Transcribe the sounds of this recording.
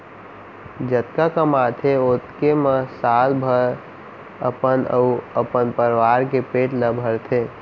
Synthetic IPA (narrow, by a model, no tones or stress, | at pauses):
d͡ʒət̪kakəmat̪ʰeot̪keməsalbʱəɾ | əpənə̰uəpənpəɾʋaɾkepeːʈləbʱəɾt̪ʰe